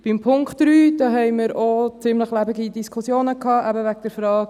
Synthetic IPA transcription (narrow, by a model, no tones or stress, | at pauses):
b̥ɪmpʰʊŋkχtd̥ɾyːd̥ɑːɦɛɪmɪɾot͡sɪmləχlæbɪɡidiskʰusjoːnəkʰɑːʔæbəvæɡ̚d̥ɛɾfɾɑːɡ̥